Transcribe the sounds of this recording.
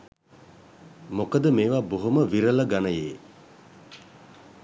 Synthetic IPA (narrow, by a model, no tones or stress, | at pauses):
mokəd̪əmeːʋaboɦuməʋiɾələɡanəjeː